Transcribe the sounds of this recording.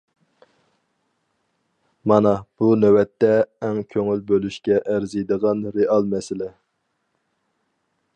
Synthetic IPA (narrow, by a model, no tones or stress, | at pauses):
mɑnɑb̥unɛwɛt̪ːɛːŋkʲʰøŋylbølyʃkʲɛʔæɾzijd̪əʁɑnɾeɑlˠmɛsɪlɪ